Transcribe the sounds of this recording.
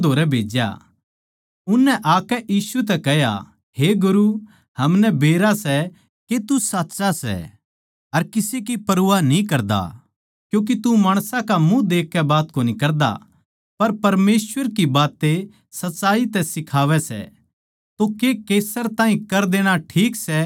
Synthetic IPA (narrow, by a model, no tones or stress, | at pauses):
d̪ʱoːɾɛbʱeːd͡ʒja̰ | ʊnːɛʔaːkɛʔiːsut̪̬ɛkɛɦja̰ | ɦeɡʊɾu | hɐmnɛbeːɾasɛ | ket̪usaːtːsasɛ̰ | ɐɾkɪsek̬ipɐɾuːanĩk̬ɐɾd̪a̰ | kjũːk̬it̪umaːɽ̃sãkamũd̪eːkʰːɛbaːt̪koːnikɐɾd̪a̰ | pɐɾpɐɾmeːswəɾkibaːt̪ːe | sɐtːsaːit̪ɛsɪkʰaːʋɛsɛ̰ | t̪okekeːsəɾt̪ãːɦĩkɐɾd̪eːɽ̃aʈʰiːksɛ